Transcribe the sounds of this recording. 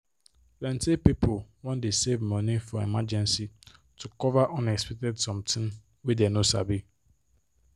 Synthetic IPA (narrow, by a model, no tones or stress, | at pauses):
blɛ̃ntʰɪpipʰowɔ̃ndesevmɔ̃nĩfɔɛmad͡ʒɛ̃nsitʰukʰɔvaʔɔ̃nɛspʰɛk̚tɛdsɔ̃mtʰɪ̃n | widɛnõsa̰bi